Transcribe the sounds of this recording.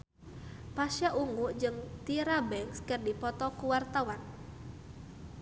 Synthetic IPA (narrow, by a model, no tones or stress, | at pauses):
pasjaʔuŋuʔd͡ʒɨŋt̪iɾabɛŋkskərdipɔt̪ɔkuwart̪awan